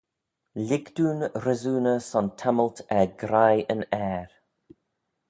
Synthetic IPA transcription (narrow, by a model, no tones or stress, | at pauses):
lɪɡd̥uːnɾəzuːnəsɔntʰɛməltʰɛɡɾajənɛːɹ